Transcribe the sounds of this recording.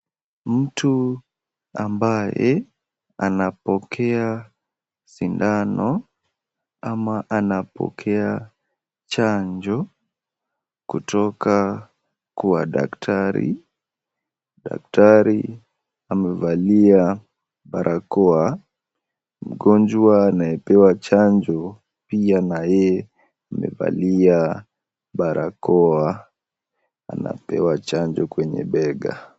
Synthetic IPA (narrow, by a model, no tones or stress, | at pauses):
m̩tu | ambajɛ | anapɔkʰɛa | sindanɔ | amaʔanapʰɔ̰kʰɛa | t͡ʃaɲd͡ʒɔ | kutɔka | kua̰da̰ktʰaɾḭ | ɗa̰k̚taɾi | amɛvalia | ɓaɾʔakɔa | m̩ɡɔnd͡ʒwaːnajɛpɛwat͡ʃand͡ʒɔ | pianajɛ | amɛ̰va̰lia | ɓaɾʔakɔa | a̰na̰pɛ̰wat͡ʃand͡ʒɔkwɛɲɛ̰ɓɛɡa̰